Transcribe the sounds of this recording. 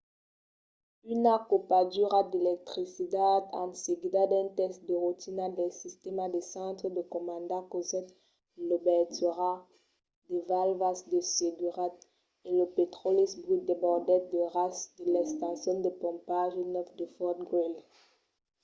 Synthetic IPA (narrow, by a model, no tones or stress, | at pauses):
ynakopad̪yʁad̪elɛk̚t̪χisid̪ad̪ɑ̰̃t̪seɡid̪ad̪ɛ̃t̪ɛst̪̚d̪əʁut̪inad̪ɛ̃sist̪ɛmad̪esɑ̃t̪χəd̪əkɔmɑ̃d̪akozɛt̪ | lobɛʁt̪yʁa | d̪evalvasd̪əseɡyʁat̪̚ | eləpet̪χɔlisbʁyt̪̚d̪ebɔʁd̪ɛt̪̚d̪əʁasd̪əlɛst̪ɑ̃sjɔ̃nd̪epɔ̃paʒenœfd̪əfɔt̪̚ɡɔl